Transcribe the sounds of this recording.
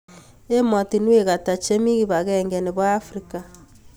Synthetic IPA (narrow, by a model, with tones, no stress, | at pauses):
e˦ma˨ti˨nwe˨ɣa˨ta˨t͡ʃe˦mi˦ɣi˦βa˨ɣɛ˦ŋɡɛ˨ne˨βwaː˦fɾi˦ka˨